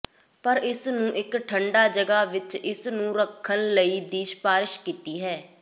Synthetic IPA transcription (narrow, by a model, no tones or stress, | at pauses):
pəɾɪsnũːʔɪkʈʰəɳɖaːd͡ʒəɡaːʋɪt͡ʃɪsnũːɾəkʰːənləiːd̪iːʃpaːɾɪʃkiːt̪iːɦɛː